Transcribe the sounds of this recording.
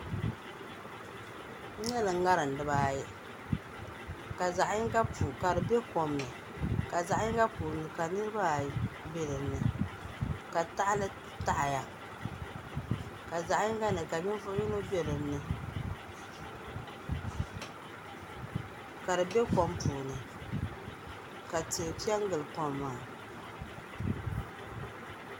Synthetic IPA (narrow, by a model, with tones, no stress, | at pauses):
ɲɛ˦lɨ˨ŋ˦ŋa˦ɾɨ˨n̩˨dɨ˦baː˦jɛ˦ | ka˨za˨ʔɪ˦ŋ˦ka˦pu˨ka˨dɨ˨bɛ˦kɔ˨mnɨ˨ | ka˨za˨ʔɪ˦ŋɡa˦puː˨ɾnɨ˨ka˨nɨ˦ɾɨ˦ba˦˨bɛ˦lɨː˨˦ɨ˨ | ka˨ta˦ʔlɨ˦ | ta˦ʔja˨ | ka˨za˨ʔɲɪ˦ŋɡa˦nɨ˨ka˨ɲɪ˦n˦fʊ˦ʔji˦no˦be˦ɾɨ˨n˦nɨ˨ | ka˨ɾɨ˨be˦kɔ˦mpuː˨ɾnɨ˨ | ka˨te˨pi˦ɛ˦ŋ˦ɡɨ˨lɨ˨kɔ˦mː˦aː˦˨